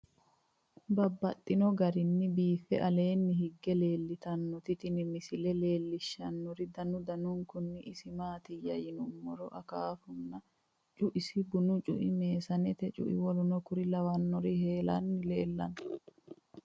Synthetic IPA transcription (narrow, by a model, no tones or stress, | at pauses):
bɐbːɐt̪ʼːɪnɔɡɐɾɪnːɪbiːfɛ̰ʔɐle̞ːnːɪɦɪɡːɛle̞ːlːɪt̪ɐnːɔt̪ɪt̪ɪnɪmɪsɪlɛle̞ːlːɪʃːɐnːɔɾɪd̪ɐnʊd̪ɐnʊŋkʊnːɪʔɪsɪmaːt̪ɪjɐ̰jɪnʊmːɔɾɔʔɐkaːfʊnːɐ | t͡ʃʼʊʔɪsɪbʊnʊt͡ʃʼʊ̰ʔɪme̞ːsɐnɛt̪ɛt͡ʃʼʊ̰ʔɪ̰wɔlʊnɔkʊɾɪlɐwɐnːɔɾɪhe̞ːlɐ̰nːɪle̞ːlːɐ̰n